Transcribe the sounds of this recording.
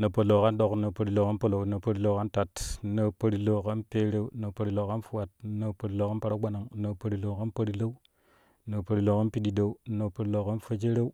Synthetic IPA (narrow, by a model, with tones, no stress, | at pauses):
na˨po˨lo˨ka˦ndo˨kna˨po˨ɾi˨lo˨ka˦npo˦lo˨na˨po˦ɾi˦˨lo˨˦˨ka˦nta˨tna˨po˦ɾi˨lo˨ka˦npe˦ɾe˦u˦na˨po˨ɾi˨lo˨ka˦nfu˦wa˨t̚na˨po˨ɾi˨lo˨ka˦pa˦ɾa˦ɡʷa˦na˨ŋna˨pa˨ɾi˨lo˨ka˦npo˦ɾi˦lo˦u˦ | no˨pə˨ɾi˨lo˨ka˦npi˦di˨do˨u˦na˨po˨ɾi˨lo˨ka˦nfo˦d͡ʒe˦ɾe˦u˦